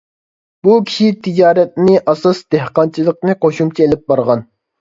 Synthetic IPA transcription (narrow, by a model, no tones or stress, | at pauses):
bukʲʰi̥ʃit̪ʰid͡ʒɑːɾɛt̪̚nɪʔɑsɑsd̪ehqɑnt͡ʃʰilˠəq̚nɨqʰoʃumt͡ʃʰielɪp̚bɑɾʁɑn